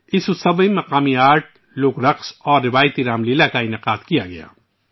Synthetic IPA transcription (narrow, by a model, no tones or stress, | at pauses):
ɪssɐbĩmɐqaːmiaːɾʈ̚ | lʊːkɾɐqsɔːɾːɪʋaːjət̪iɾaːmleːlakaɪnɪqaːd̪kijaɡɐ̰ja̰ː